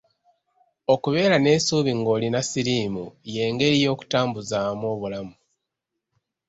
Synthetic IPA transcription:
o̞kuβe̞ːɾane̞ːsuːβiŋɡo̞ːlinasiɾiːmuje̞ːŋɡe̞ɾijo̞ːku̥taːmbuzaːmo̞ːβulamu

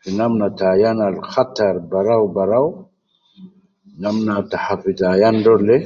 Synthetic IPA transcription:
finamnat̪aːjanalxat̪aɾbaɾawbaɾaw | namnat̪aħafit̪aːjandole

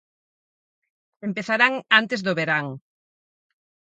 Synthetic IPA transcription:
empeθaɾaŋant̪ezðʊβeɾaŋ

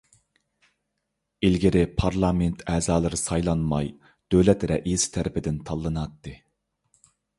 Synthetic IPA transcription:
ilɡʲɪɾɪpʰɑɾlˠɑment̪ʰɛːzɑːlˠɨɾɨsɑjlˠɑnmɑj | d̪̥øwlɛt̪ɾɛʔizt̪ʰæɾɪpʰɪd̪ɪnt̪ʰɑlˠːɨnɑt̪ːɨ

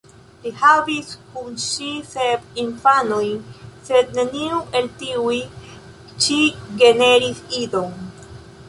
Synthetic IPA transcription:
lihabiskunʃisebinfanojse̞d̪ne̞niuʔe̞ltiuj | ʃiɡene̞ɾisido̞ŋ

